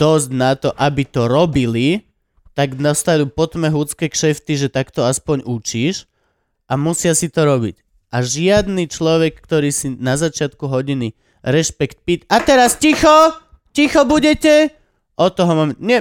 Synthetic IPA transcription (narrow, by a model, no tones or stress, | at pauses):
d̪̥ɔztnat̪ɔʔabit̪ɔɾɔbili | t̪aɡnast̪ad̪uːpɔt̪mɛɦut͡skɛːkʃɛft̪iʒɛt̪akt̪ɔaspɔɲut͡ʃiːʃ | amusɪasit̪ɔɾɔbḭc | ʔaʒɪad̪niːt͡ʃlɔʋɛkːt̪ɔɾiːsinazat͡ʃɪat̪kuɦɔɟini | ɾɛʃpɛkt̪̚pit̪at̪ɛɾascixɔ | cixɔbuɟɛcɛ | ʔɔt̪ɔɦɔmamɲɛ